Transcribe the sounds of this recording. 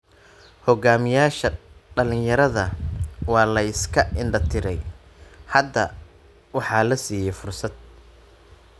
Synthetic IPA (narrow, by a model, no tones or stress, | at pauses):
hɔɡaːmɪjaːʃɐɖɐlɪnjɐɾɐðɐwɑːlɐɪskʰɐʔɪnɖɐt̪ʰɪɾɛj | hɐd̪ːɐ | wɑħɑːlɐsiːjɛfʊrsɐd̪̚